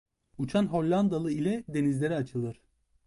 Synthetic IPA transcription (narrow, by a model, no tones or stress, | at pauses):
ut͡ʃʰanɦo̞lʲːand̪alˠɯilʲɛd̪e̞nizlʲe̞ɾiat͡ʃʰɯlˠɯɾ̥